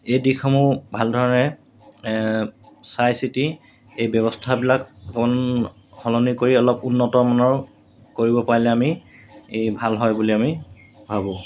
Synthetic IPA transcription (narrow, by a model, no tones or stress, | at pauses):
ejdikʰɔmubʱaldʱɔɹɔnɛ | sajsiti | ejbjɔβɔstʰabilakkɔn | hɔlɔnikoɹiɔlɔpunːɔtɔmɔnɔɹ | koɹibɔpaɹilɛami | bʱalɦɔjbuliami | bʱabɔ̃